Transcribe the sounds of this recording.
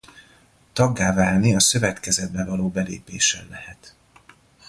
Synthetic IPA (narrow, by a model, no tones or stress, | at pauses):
t̪ɒɡːaːvaːlniɒsø̞vɛt̪kɛzɛd̪̚bɛvɒloːbɛlḛːpeːʃɛlːɛhɛt̪